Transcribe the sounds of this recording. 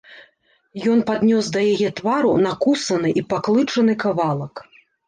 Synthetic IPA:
jɔn̪pad̪nʲɔsd̪ɐjajɛt̪vaɾunakusɐnɨʔipaklˠɨt͡ʂɐnɨkavalˠɐk

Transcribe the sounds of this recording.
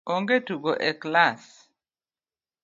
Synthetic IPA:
ɔŋɡetuɡɔʔɛklas

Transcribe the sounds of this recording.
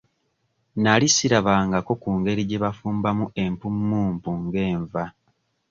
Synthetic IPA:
nalisiɾaβaːŋɡako̞kuːŋɡe̞ɾiɟe̞βafuːmbamuʔe̞mpumːuːmpuŋɡe̞ːɱva

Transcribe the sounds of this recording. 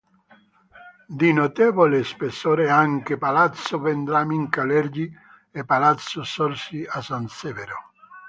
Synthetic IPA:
d̪inot̪ɛvolespesːoːɾeaŋkepalat̪sʊvend̪ɾamiŋkalɛɾd͡ʒi | epːalat̪sʊsɔɾsiasansɛveɾo

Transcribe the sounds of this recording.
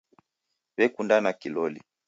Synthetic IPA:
βɛkundanakilɔlḭ

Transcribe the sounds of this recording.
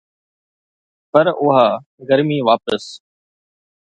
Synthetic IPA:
pəɾʊɦaː | ɡəɾmiːʋaːpəs

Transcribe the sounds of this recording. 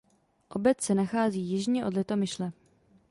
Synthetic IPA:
ʔo̞bɛt̪sɛnaxaːziːjɪʒɲɛʔo̞dlɛt̪o̞mɪʃlɛ

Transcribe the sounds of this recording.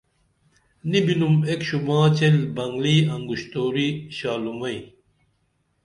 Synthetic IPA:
nibinumekɕumãːt͡ɕelbɐŋɡliːɐŋɡuɕt̪oːɾiɕaːlumɐi

